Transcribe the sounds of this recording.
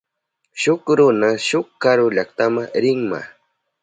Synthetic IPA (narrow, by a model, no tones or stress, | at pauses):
ʃʊkɾʊnaʃʊkkaɾʊʎakt̪amaɾɪŋma̰